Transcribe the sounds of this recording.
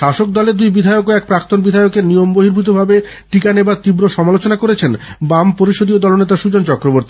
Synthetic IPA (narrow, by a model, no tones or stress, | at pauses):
ʃaʃok̚d̪ɔleɾd̪ujbid̪ʱajokoɛk̚pɾakt̪onbid̪ʱajokeɾnijomboɦiɾbʱit̪̬obʱabe | ʈikanebaɾt̪ibɾoʃɔmalot͡ɕonakoɾet͡ɕʰenbampoɾiʃod̪iod̪ɔlonet̪aʃud͡ʑont͡ɕɔkɾoboɾt̪i